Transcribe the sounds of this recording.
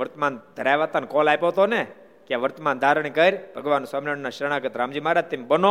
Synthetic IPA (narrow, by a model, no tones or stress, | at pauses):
ʋəɾt̪mand̪ʱəɾajʋat̪ankɔlajpoɦt̪one | kjãʋəɾt̪mand̪ʱaɾəɳ̃ikəɾbʱəɡʋanosaminəɳnaʃɾəɽ̃aɡət̪ɾãːmd͡ʒimaɾat̪ːembəno